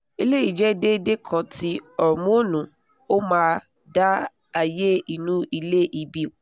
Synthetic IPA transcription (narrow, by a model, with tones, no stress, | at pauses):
i˧le˦i˨d͡ʒɛ˦de˦de˦kʰã˧ti˦ɔ˦˨ɾmũ˦nũ˨˦ | o˦mãː˦˧ | da˦ | a˧je˦i˨nũ˨˦i˧le˦ʔi˧bi˦˨